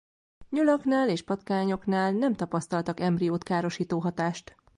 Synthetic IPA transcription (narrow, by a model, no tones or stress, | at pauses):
ɲulɒknaːleːʃpɒt̪kaːɲo̞knaːlnɛmt̪ɒpɒst̪ɒlt̪ɒkɛmbrioːt̪kaːɾo̞ʃiːt̪oːɦɒt̪aːʃt̪